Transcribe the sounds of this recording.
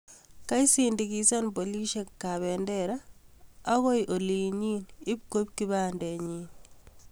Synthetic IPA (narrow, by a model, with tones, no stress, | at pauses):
ka˦i˦sindi˨ki˦sa˦npo˨li˦ʃe˨kːa˨βɛndɛɾaː˦ | ɣo˦jʔo˨li˨ɲi˦nɪ˦p̚ko˦p̚ki˦ba˦ndɛ˨ɲi˦n